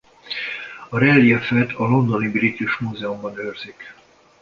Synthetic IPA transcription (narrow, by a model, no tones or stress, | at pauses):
ɒɾɛlːiɛfɛt̪ʰɒlo̞nd̪o̞nibilit̪uʃmuzɛumbɒnøːrz̥ik